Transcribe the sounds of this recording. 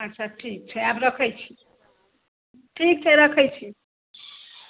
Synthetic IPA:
ʌt͡sʰaʈʰik̚t͡ʃʰʌapɾʌkʰʌjt͡ʃʰi̥ | ʈʰik̚t͡sʰʌɾʌkʰʌjt͡ʃʰi

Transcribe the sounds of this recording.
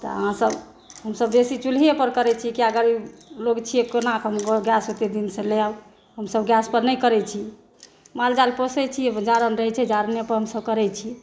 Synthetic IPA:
t̪ɔ̰ə̰ɦãsəb | ɦəmsəbd̪esit͡ʃul̤iepəɾkəɾɛt͡ʃʰikiəɡəɾiloɡt͡ʃʰiekonakɦəmoɡjasɦot̪ed̪insə̃lea | ɦəmsəbɡjaspəɾnəjkəɾɛt͡ʃʰi | mald͡ʒalposɛt͡ʃʰid͡ʒaɾənɾəɦɛt͡ʃʰɛd͡ʒaɾənepəɾɦəmsəb̚kəɾɛt͡ʃʰi

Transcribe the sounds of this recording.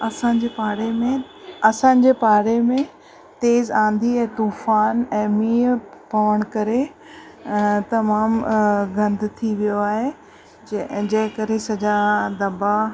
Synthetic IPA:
ɐsãːɲd͡ʑeːpaːɾemẽ | ɐsã̆ːd͡ʑepaːɾemẽ | t̪eːzãːnd̪iɛ̃ːt̪uːfaːnɛ̃ːmiːpɐʋəɽ̃ʊkɐɾe | t̪ɐmaːmɡɐ̃nd̪ʱt̪ʰiʋijoaːɦe | d͡ʑɐ̃ɦɪ̃kɐɾɦesɐd͡ʑad̪ɐba

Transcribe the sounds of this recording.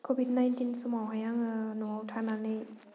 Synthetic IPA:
kʰobʱit̚najntinsumawɦajaŋɯnɔawtʰananɯj

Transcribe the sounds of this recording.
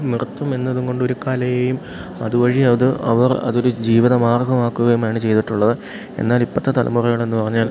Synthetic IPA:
mirɐt̪ːɐme̞nːɐðuŋɡo̞ɳɖo̞ɾukaːlɐjejum | ɐðuʋɐɻiɐðɨɐ̰ʋɐrɐ̰ðo̞ɾud͡ʑiːʋiðɐmaːrɡɐmaːkːuɣɐjumaːɳɨt͡ɕe̞jt̪iʈːuɭːɐðɨ | e̞̰nːaːlipːɐt̪ːɨt̪ɐlɐ̰murɐŋɐɭe̞nːupɐrɐɲːaːl

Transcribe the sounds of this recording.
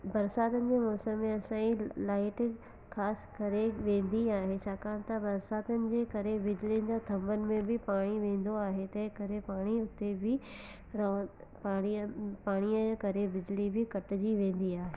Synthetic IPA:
bɐɾsaːt̪ənɪ̆d͡ʑeːmɔːsəmːẽɐsãːĩlaːɪʈɪ | xaːskɐɾeʋẽːnd̪iaːɦet͡ɕʰaːkãːñt̪ɐbɐɾsaːt̪ənɪ̆d͡ʑeːkɐɾebɪd͡ʑɪliənd͡ʑaːt̪ʰɐ̃mbənɪ̆mẽbɪpaːɽ̃iʋẽːn̆d̪oaːɦet̪ɐ̃ɦɪ̃kɐɾepaːɽ̃iʊt̪ebɪ | ɾa | paːɽ̃ipaːɽ̃ijəd͡ʑeːkɐɾebɪd͡ʑlibʱɪkɐʈɪ̆d͡ʑiʋẽːnd̪iaːɦeː

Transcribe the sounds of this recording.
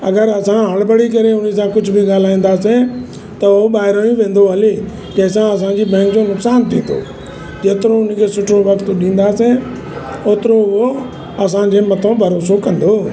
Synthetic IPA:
ə̰ɡəɾəsãːɦəɭbəɽiːkəɾeʊnis̬ãːkʊd͡ʒʱbʱiɡaːl̤aːĩːn̆d̪aːsẽː | t̪əʊoɓaːɦɪɾõːĩʋẽːnd̪oɦəleː | d͡ʒɐ̃ːsãːəs̬ãːd͡ʑiːbɛ̃ːŋk̚d͡ʑoːnʊksaːnt̪ʰḭ̃ːnd̪o̰ː | d͡ʒeːt̪ɾoːʊnkʰeːsʊʈʰoːʋəkt̪ɗĩːnd̪aːsẽː | oːt̪ɾoʊo | ɐsãːd͡ʑeːmət̪ʰõːbʱəɾoːsokə̃nd̪oː

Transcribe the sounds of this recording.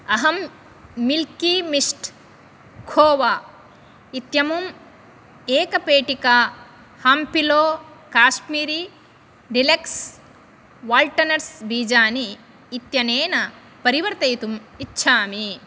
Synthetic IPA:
ɐɦɐmː | ilkimiʂʈ | kʰoːʋaː | it̪jɐmum | eːkɐpeːʈika | haːmpiloːkaːʃmiːɾi | ɖileks | ʋaːlʈɐnɐɾsbiːd͡ʒaːniː | t̪jɐneːnɐ | pɐɾiʋɐɾt̪ɐjt̪umitːʃʰaːmi

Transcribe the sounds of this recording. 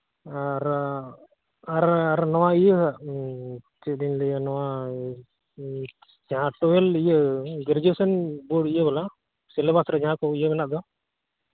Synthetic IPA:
aɾ | aɾaɾnɔwaijəɦa | t͡ʃɛɗinlɛjnɔwa | d͡ʒãʈɔwɛlijəɡɛɾd͡ʒesənboɖijəbɛla | sɛlɛbasɾɛd͡ʒaɦãkɔijəmɛnaʔ̚d̪ɔ

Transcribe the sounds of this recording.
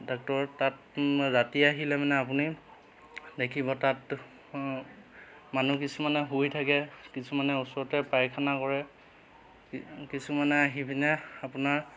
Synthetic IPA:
dɔk̚tɔɹɔtat | ɹatiaɦilɛmanɛap̬uni | dekʰibɔtat | manukisumanɛɦujtʰakɛkisumanɛusɔɹɔtɛpajkʰanakɔɹɛ | kisumanɛaɦibʱinɛapunaɹ

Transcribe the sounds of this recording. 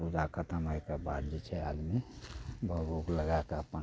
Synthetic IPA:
pud͡ʒakʰət̪əməikəbad̪d͡ʒɛt͡ʃʰɛa̰d̪mibʱəbukləɡakaəpən

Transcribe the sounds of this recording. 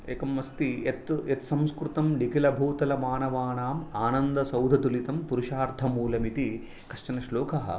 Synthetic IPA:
eːkɐmːɐst̪iet̪et̪sɐmskɾut̪ɐmnikilɐbʱuːt̪ɐlɐmaːnɐʋaːɳaːmaːnɐnd̪ɐsɐwd̪ʱɐt̪ulit̪ɐmpuɾuʃaːɾd̪ʱɐmuːlɐmit̪i | kɐʂʈɐnɐʃloːkʰɐɦɐ̰

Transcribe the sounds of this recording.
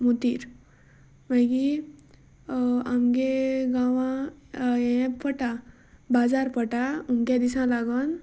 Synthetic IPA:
mut̪iɾ | majɡi | amɡeɡaʋã | ɛ̃pʰəʈa | bad͡zaɾpəʈaumkad̪isãlaɡɔn

